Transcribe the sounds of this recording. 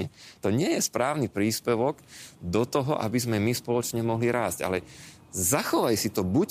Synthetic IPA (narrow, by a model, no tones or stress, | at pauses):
ɛt̪ɔɲɪɛjɛspɾaːʊnipɾiːspɛʋɔɡd̪ɔt̪ɔɦɔ̰ʔa̰bizmɛmispɔlɔt͡ʃɲɛmɔɦliɾaːzɟa̰lɛ | zaxɔʋajsit̪ɔbuc